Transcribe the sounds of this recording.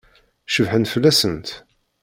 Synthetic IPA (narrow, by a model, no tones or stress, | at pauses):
ʃəvħənt̪fəlːæsənt̪